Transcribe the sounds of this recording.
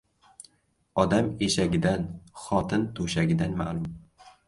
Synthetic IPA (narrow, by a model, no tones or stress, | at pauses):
ɒd̪ameʃaɡʲɪd̪anχɒt̪ʰɪnt̪ʰoʃaɡʲɪd̪anma̰lˠʊm